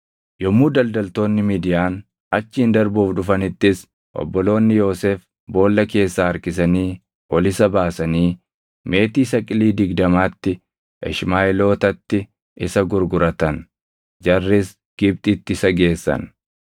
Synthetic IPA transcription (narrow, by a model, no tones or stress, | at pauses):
jɔmːuːd̪ɐld̪ɐlt̪o̞ːnːɪmiːd̪ɪjaːn | ɐt͡ʃːɪːnd̪ɐɾbuːfᶑʊfɐnɪt̪ːɪs | ʔɔ̰bːɔlo̞ːnːɪjo̞ːseːf | bo̞ːlːɐke̞ːsːaːɐɾkɪs̬ɐniː | ʔɔlɪsɐbaːsɐniː | me̞ːt̪iːsɐkʼɪliːd̪ɪɡd̪ɐmaːt̪ːɪ | ʔɛ̰ʃmaːʔɛlo̞ːt̪ɐt̪ːɪ | ʔɪsɐɡʊɾɡʊɾɐt̪ɐn | d͡ʒɐrːɪs | ɡ̥ɪb̚t̪ʼɪt̪ːɪɪsɐɡe̞ːsːɐ̰n